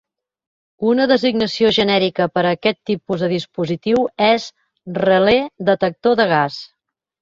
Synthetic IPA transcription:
unəðəziɡnəsioʒənɛɾikəpəɾəːkɛt̪ːipuzðəðispuzit̪iwɛz | rəled̪ət̪ək̚t̪oðəɣ̞as

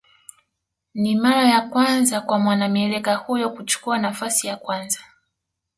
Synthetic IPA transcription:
nimaɾajakwanzakwamwanamiɛlɛkahujɔkut͡ʃu̥kuanafasijakwanza

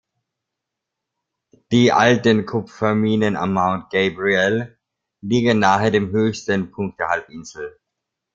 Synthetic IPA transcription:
d̥iːʔa̰ltənkʰʊpfɛɐmiːnəna̰maʊnt̚ɡ̥eɪbʁiɛl | liːɡənnːaːχəɐdeːmɦøːçstənpʰʊŋk̚t̚d̥eːɐhalpʔɪnzl̩

